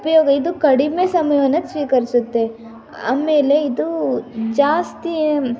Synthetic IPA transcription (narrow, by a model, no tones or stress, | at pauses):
upɐjoːɡɐid̪ukɐɽimesɐmɐjɐʋɐnːɐsʋiːkɐɾisut̪ːe̞ | a̰ːme̞ːle̞id̪ud͡ʒaːst̪i